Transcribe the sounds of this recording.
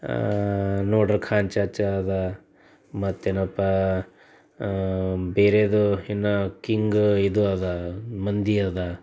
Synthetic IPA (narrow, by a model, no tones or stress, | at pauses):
noːɖɐɾkʰaːɲt͡ʃat͡ʃɐːd̪a | mɐt̪ːenɐpɐ | beːɾed̪uinːɐkiŋɡid̪uɐd̪amɐnd̪iɐd̪a